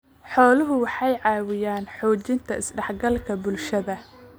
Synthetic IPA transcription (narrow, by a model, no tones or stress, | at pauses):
ħɔːlʊɦʊwɑħɑjʕɑːwɪjaːnħɔːt͡ʃɪnt̪ʰɐɪsɖɛħɡɐlkʰɐbʊlʃɐðɐ